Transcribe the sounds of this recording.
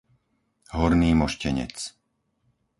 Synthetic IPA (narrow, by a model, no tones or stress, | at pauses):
ɦɔɾniːmɔʃcɛɲɛ̰t͡s